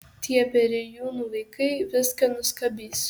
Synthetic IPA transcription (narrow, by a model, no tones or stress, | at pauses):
t̪ʲiɛpʲɛɾʲɪjuːnuːʋɐɪkɐɪʋʲɪskɐnʊskɐbʲiːs